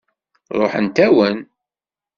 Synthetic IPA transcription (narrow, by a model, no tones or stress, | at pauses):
ɾˤo̰ħənt̪æwən